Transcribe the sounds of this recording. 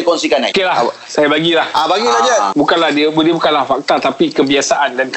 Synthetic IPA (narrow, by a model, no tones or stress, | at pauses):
kɔnsikana̰kelah | sajabaɡilahabaɡilad͡ʒabukanlahdiəbdiəbukanlahfak̚t̪at̪apikəbiasaʔandank